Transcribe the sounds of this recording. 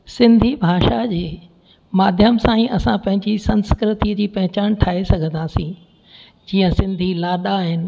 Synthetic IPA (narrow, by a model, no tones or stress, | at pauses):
sɪ̃nd̪ʱibʱaːʃad͡ʑeː | maːd̪ʱjəmsãːĩʔɐsãpɐ̃ɦɪ̃ɲd͡ʑisɐ̃nskɾɪt̪id͡ʑiːpɐɦɪt͡ɕaːñʈʰaːesɐɡʱə̃nd̪aːsĩ | d͡ʑiːə̃sɪ̃nd̪ʱilaːɗaɦɪnɪ̆